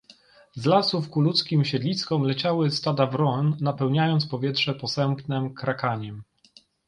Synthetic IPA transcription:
zlasufkulut̪skʲimɕɛd̪lʲiskɔmlɛt͡ɕawɘst̪ad̪avɾɔnːapɛwɲajɔnt̪spɔvʲjɛtʂɛpɔsɛmpnɛmkɾakaɲɛm

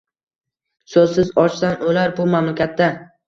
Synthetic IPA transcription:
sɵzsɪzɒt͡ʃsanolaɾbʊmamlɪkʲat̪ːa

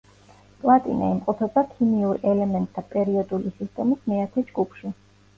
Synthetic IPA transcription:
pʼlˠat̪ʼḭna̰imqʼɔt̪ʰɔd̪akʰimiuɾɛlɛmɛnt̪ʼt̪ʰapʼɛɾiɔd̪ulisist̪ʼɛmismɛat̪ʰɛd͡ʒɡupʰʃi

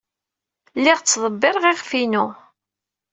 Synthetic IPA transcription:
lːɪʁt͡sːðˤəbːɪɾˤʁɪʁfinu

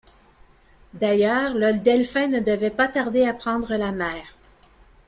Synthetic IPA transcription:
d̪ajœːʁlɔld̪ɛlfɛ̃nəd̪əvɛpat̪aʁd̪eapχɑ̃d̪ʁəlamɛːʁ

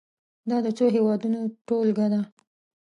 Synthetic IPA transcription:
d̪ɑd̪ət͡soɦewɑd̪unoʈolɡad̪a

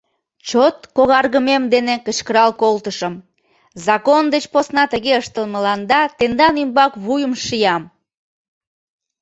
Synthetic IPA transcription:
t͡ɕot̪koɣɑrɣəmemd̪enekət͡ɕkəɾɑlkolt̪əʃəm | zɑkond̪et͡ɕposnɑt̪əɣeəʃt̪əlmə̆lɑnd̪ɑt̪end̪ɑnymbɑkβujəmʃijɑm

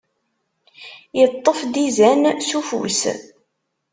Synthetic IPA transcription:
jət̪ˤːəfd̪izænsufṵs

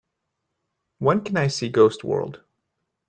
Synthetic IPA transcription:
wɛ̃nkʰɨ̃naɪsiɡoʊst̚wɜ̰˞lˠd̥

